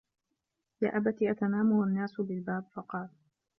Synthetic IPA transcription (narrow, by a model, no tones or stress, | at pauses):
jaːʔabat̪iːʔat̪anaːmʊanːaːsʊbɪlbaːbfɑqɑːl